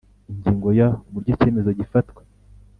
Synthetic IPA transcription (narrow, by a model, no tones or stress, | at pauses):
iɲɟiːŋɡo̞jauβuɾɟoce̞ːme̞zoɟifatwe̥